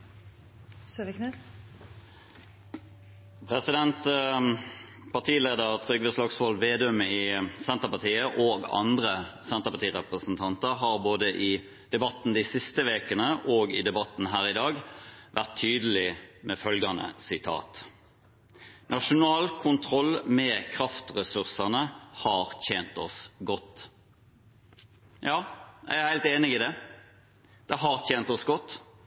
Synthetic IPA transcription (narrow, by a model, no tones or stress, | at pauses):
søəknes | pʰʁɛsɪd̪ɛnt̪ | pʰɑt̪ʰiːleːd̪əʁt̪ʰʁʏɡʋɛslɑːɡsfɔlʋeːd̪œməɪsɛnt̪əʁpɑt̪ʰiːəʔoːɡɑ̰nd̪ʁəsɛnt̪əpɑt̪iːʁɛpʁəsnt̪ʰɑnt̪əʁɦɑːʁboːd̪əʔɪ | d̪̥ɛbɑt̪n̩d̪isɪst̪əʋeːkənəʔoːɡɪd̪ɛbɑt̪n̩ɦæːʁɪd̪ɑːɡʋʔæʁt̪ʰːyːd̪əl̩ɪmɛfœlɡɑnə̰sɪt̪ʰɑ̰ːt̪ | nʔɑʂʊnɑːlkʰʊnt̪ʰʁɔlmɛːkʰɾɑft̪ʁɛsʉʁsɑnəhɑːʁt̪ʰeːnt̪ɔsɡɔt̪ː | jɑːæ̰æhæɪlt̪eːnɪɡiːd̪ɛ | d̪̥ɛɦɑʁt̪ʰeːnt̪ɔsɡɔt̪ː